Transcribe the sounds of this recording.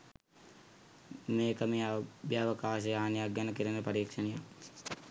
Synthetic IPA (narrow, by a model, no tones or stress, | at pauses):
meːkəmeːbjaːʋəkaːʃejaːnjaɡjanəkiɾənəpɐɾiːkʂɐnija